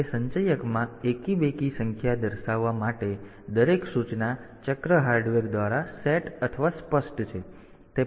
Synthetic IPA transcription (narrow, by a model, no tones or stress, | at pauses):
esə̃ɲt͡ʃəjəkmãekibekisəŋkʰjad̪əɾʃaʋːamaʈe | d̪əɾeksut͡ʃna | t͡ʃəkɾəɦaɾɖʋəɾd̪ʋaɾaseʈət̪ʰəʋaspəsʈt͡ʃʰe | t̪e